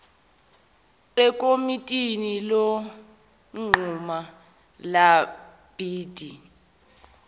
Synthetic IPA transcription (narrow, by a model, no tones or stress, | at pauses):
lɛkʼomitʼinilɔ | ŋ͡ǃʱuma | la | b̥iːd̥ʱi